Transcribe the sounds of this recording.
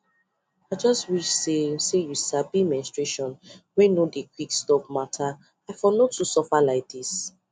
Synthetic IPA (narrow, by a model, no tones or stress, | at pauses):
aɪd͡ʒɔstwiʃsesejusabimɛ̃nstɹeʃɔ̃nwɛ̃nodekʰwikstɔpmatʰa | aɪfɔnotusɔfalaɪk̚dis